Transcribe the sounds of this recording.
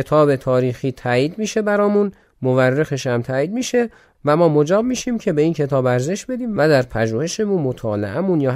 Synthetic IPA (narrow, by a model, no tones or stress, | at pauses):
et̪ʰɒːbe̞t̪ʰɒːɾiːxiːt̪ʰæjiːd̪miːʃe̞bæɾɒːmun | moværːexe̞ʃæmt̪ʰæːiːd̪miːʃe̞ | væmɒːmod͡ʒɒːb̚miːʃiːmcʰe̞be̞iːncʰe̞t̪ʰɒːbæɾze̞ʃbe̞d̪iːmvæd̪æɾpʰæʒuːhe̞ʃe̞munmo̞t̪ʰɒːlḛʔæmunjɒː